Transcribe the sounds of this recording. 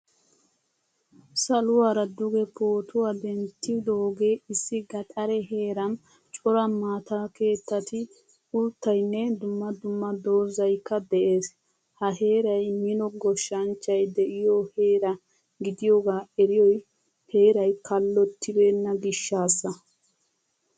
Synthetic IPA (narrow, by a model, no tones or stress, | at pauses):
sɐlʊwaːɾɐd̪ʊɡɛpʰo̞ːt̪ʰʊwad̪ɛnt̪ːɪd̪oːɡeːɪsːɪɡɐt̪ʼɐɾɛɦe̞ːɾɐn | t͡ʃʼɔɾɐmaːt̪aːke̞ːt̪ːɐt̪ɪ | ʊlt̪ːɐjnːɛd̪ʊmːɐd̪ʊmːɐd̪o̞ːzɐjkːɐd̪ɛʔeːs | hɐhe̞ːɾɐjmɪnɔɡɔʃːɐnt͡ʃːɐjd̪ɛʔɪjɔheːɾɐ | ɡɪd̪ɪjoːɡaːɛɾɪjɔj | he̞ːɾɐjkɐlːɔt̪ːɪbeːnːɐɡɪʃːaːsːɐ